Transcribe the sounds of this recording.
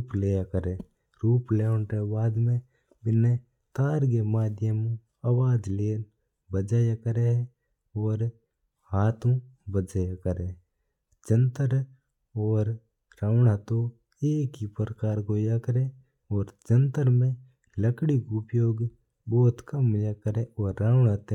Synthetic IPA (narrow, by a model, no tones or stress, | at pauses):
ɾuːpleːjakəɾe | ɾuːpleːɳʈebaːd̪mẽ | bɪne | t̪aːɾɡemaːd̪jəmu | awaːd͡ʒleːn | bəd͡ʒajakəɾeɦ | ɔːɾ | haːt̪ʰõbəd͡ʒajakəɾe | d͡ʒənt̪əɾ | ɔːɾː | aːʋɳat̪o | eːkipəɾəkaːɾɡoːjakəɾe | ɔːɾd͡ʒə̃nt̪əɾmẽ | ləkɽiɡuːpjoːɡ | bɔːt̪kɐmjakəɾeɔːɾːaːɳat̪e